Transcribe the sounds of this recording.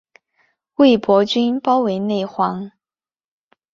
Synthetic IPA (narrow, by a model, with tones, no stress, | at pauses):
we˥˩ɪpwɔ˧˥t͡ɕy˥npɑ˥ʊwe˧˥ɪne˥˩ɪxwɑ˧˥ŋ